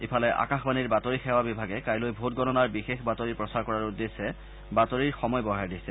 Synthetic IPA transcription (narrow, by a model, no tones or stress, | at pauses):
ipʰalɛʔa̰kaxbaniɹbatoɹixɛwabibʱaɡɛkajlojbʱotɡɔnɔnaɹbixexbatoɹiɹpɹɔsaɹkɔɹaɹudːesɛ | batoɹiɹxɔmɔjbɔɦaɹdisɛ